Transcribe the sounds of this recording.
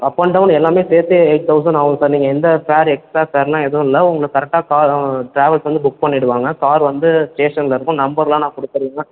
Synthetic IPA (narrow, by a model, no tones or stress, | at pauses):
ɐpːɐɳɖɐʋnɛlːaːmeːseːɾt̪ːɯeːʈ̚t̪ʰɐʊs̬ɐnɐʋɐŋɡɐsɐɾniːŋɡɐɪnd̪ɐfaːɾɛksasaːɾlãːɛðɯ̃ɪlːɐʊŋɡɐɭɯkɐɾɛk̚ʈːaːkaːɾʈɾaːʋɐlsʋɐnd̪ɯbʊk̚pɐɳːɪɽɯʋaːŋɡɐkaːɾʋɐnd̪ɯsʈeːʂɐnlɐɪɾɯkːʊ̃nɐmbɐɾlãːnãːkɔɽɯt̪ːɯɾiːŋɡɐ